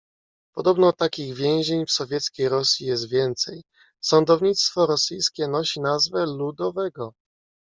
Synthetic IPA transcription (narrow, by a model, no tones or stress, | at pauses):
pɔd̪ɔbnɔt̪akʲiɣvʲjɛ̃w̃ʑeɲfsɔvʲjɛt̪skʲejɾɔsʲjijɛs̬t̪vʲjɛnt̪sɛj | sɔnd̪ɔvɲit̪st̪fɔɾɔsɘjskʲɛnɔɕinazvɛlud̪ɔvɛɡɔ